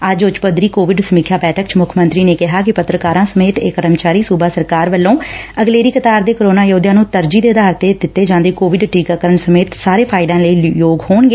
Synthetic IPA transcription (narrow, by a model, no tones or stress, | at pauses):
əd͡ʒʊt͡ʃpəd̪ɾiːkoːʋɪɖsəmiːkʰjaːbɛːʈʰək̚t͡ʃmʊkʰmənt̪ɾiːneːkɪɦaːkɪpət̪ɾəkaːɾãːsəmeːt̪eːkəɾəmt͡ʃaːɾiːsuːbaːsəɾkaːɾʋəlːõːəɡleːɾiːkət̪aːɾd̪eːkɾoːnaːjoːd̪jãːnũːt̪əɾd͡ʒiːd̪eːd̪aːɾt̪eːd̪ɪt̪ːeːd͡ʒãːnd̪eːkoːʋɪɖʈiːkaːkəɾəɳsəmeːt̪saːɾeːpʰaːɪd̪ãːləiːjoːɡhoːnɡeː